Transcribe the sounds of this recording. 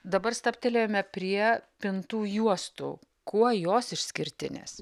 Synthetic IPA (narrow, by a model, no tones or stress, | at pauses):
d̪ɐbɐrst̪ɐpʲt̪ʲelʲeːjoːmʲɛpʲɾʲiɛpʲɪnt̪uːjuɔst̪ṵː | kuɔjoːsɪʃʲsʲkʲɪɾʲt̪ʲɪnʲḛːs